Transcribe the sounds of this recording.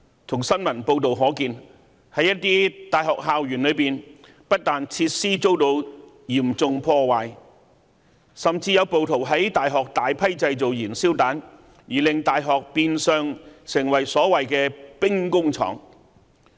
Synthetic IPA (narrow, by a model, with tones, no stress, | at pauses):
t̪ʰʊ˨˩ŋsɐ˥nmɐ˨˩npo˧wt̪o˨wɦɔː˨˥kiː˧n | hɐ˨˥jɐ˥t̚t̪iː˥t̪aː˨jɦɔː˨k̚ɦaː˨wjyː˨˩nlɵ˨˧jpiː˨n | pɐ˥t̚t̪aː˨nt͡sʰiː˧t̚siː˥t͡so˥wt̪o˧w | jiː˨˩mt͡sʊ˧ŋpʰɔː˧waː˨j | sɐ˨mt͡siː˧jɐ˨˧wpo˨˧wt̪ʰo˨˩wɦɐ˨˥jt̪aː˨jɦɔː˨k̚t̪aː˨˧jpʰɐ˥jt͡sɐ˧jt͡so˨wjiː˨˩nsiː˥wt̪aː˨˥n | jiː˨˩lɪ˨ŋt̪aː˨jɦɔː˨k̚piː˧nsœː˨˧ŋsɪ˨˩ŋwɐ˨˩jsɔː˨˥wɐ˨jkɛː˧pɪ˥ŋkʊ˥ŋt͡sʰɔ̰ː˨˩ŋ